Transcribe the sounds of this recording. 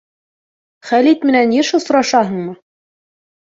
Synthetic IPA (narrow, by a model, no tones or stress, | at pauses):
χælit̪mɘ̆nænjɘʃŏsŏɾɑʃɑɦɤ̆ɴmɤ